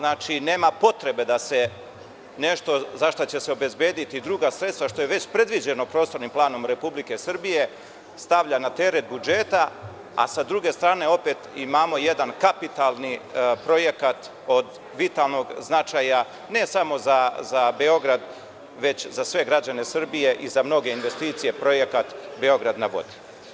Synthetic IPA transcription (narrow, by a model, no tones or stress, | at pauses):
naːt͡ʃine̞ːmapo̞t̪ɾe̞be̞d̪ase̞ | ne̞ʃt̪o̞zaʃt̪ot͡ɕe̞seo̞be̞zbjeːd̪it̪id̪ɾuɡasɾe̞t̪st̪ʋaʃt̪o̞je̞ʋe̞t͡ɕpɾe̞d̪ʋid͡ʑe̞no̞pɾo̞ːst̪o̞ɾnimplˠaːno̞mɾe̞publike̞sr̩bije̞ | st̪aʋʎanat̪e̞ɾet̪̚bud͡ʒe̞ːt̪a | a̰sad̪ɾuɡe̞st̪ɾaːne̞o̞pe̞t̪imaːmo̞je̞d̪ankapit̪alˠnipɾo̞je̞kat̪ | od̪ | ʋit̪alˠno̞ɡznat͡ʃaja | ne̞samo̞zazabe̞o̞ɡɾad̪ | ʋe̞t͡ɕzasʋe̞ɡɾad͡ʑane̞sr̩bije̞ʔizamno̞ɡe̞inʋe̞st̪iːt̪sije̞pɾo̞je̞kat̪be̞o̞ɡɾad̪naʋo̞̰d̪i̥